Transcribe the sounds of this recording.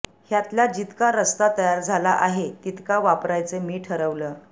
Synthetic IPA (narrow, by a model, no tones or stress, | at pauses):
hjat̪ljad͡ʑit̪kaɾəst̪at̪əjaɾd͡zʱalaʔaɦet̪it̪kaʋapɾajt͡semiːʈʰəɾəʋləː